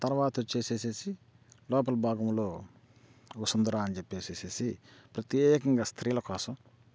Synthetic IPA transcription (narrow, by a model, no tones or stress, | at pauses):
t̪ɐɾʋaːt̪ɐt͡ʃe̞ːse̞ːse̞ːsi | lɔːp̬ɐlɐbʱaːɡɐmloː | usɐnd̪ɐɾaːɐnit͡ʃepːe̞ːseːse̞ːsipɾɐt̪jeːkɐŋɡaːst̪ʰɾiːlɐkɔːsɐm